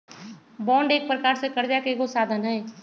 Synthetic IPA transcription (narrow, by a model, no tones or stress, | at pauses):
bɔ̃ːɳɖeːk̚pɾəkaːɾsekəɾd̪jakekosaːd̪ʱənɦɛː